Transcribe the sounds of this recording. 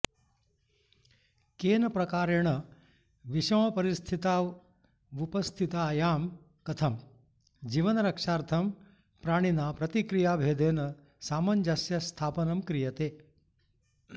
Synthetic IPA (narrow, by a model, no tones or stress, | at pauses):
keːnɐpɾɐkaːɾeɳɐ | ʋiʃɐmɐpɐɾist̪ʰit̪aː | upɐst̪ʰit̪aːjaːm | kɐt̪ʰɐm | d͡ʒiːʋɐnɐɾɐkʂaːɾt̪ʰɐm | pɾaːɳ̃inaːpɾɐt̪ikɾijaːbʱeːd̪eːnɐ | saːmɐnd͡ʒasjɐst̪ʰaːpɐnɐmkɾijɐt̪eː